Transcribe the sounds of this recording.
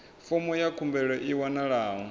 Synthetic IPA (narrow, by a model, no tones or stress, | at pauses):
fɔmɔjakʰumbɛɺɔʔiwanaɺaːɦɔ